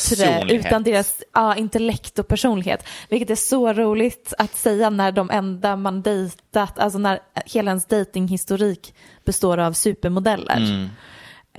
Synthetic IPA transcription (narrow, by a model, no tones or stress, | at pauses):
t̪ɾɛʔʉ̟ːt̪and̪eːɾasʔɑːɪnt̪ɛlɛkt̪ɔk̚pʰæʂuːnlɪɡhḛːt̪vɪlkət̪æʂɔɾuːlɪɡt̪at̪sɛjːanæɖɔmʔɛnd̪amand̪ɛjt̪at̪ʰa̰ls̬ɔnæɾheːladɛnsd̪ɛjt̪ɪŋhɪst̪ʊɾiːk | b̥ɛst̪oːɾavsʉ̟ːpəɾmʊd̪ɛlːʔə̰ɾ